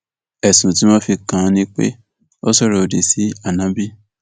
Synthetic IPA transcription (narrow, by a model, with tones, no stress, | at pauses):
ɛ˨sũ˨tĩ˨˦mɔ̃˦fi˧kã˨˦nĩ˧k͡pḛ˦ | o˦sɔ˦˨ɾɔ˧o˨de˨si˨˦a˦˨nã˨˦bi˦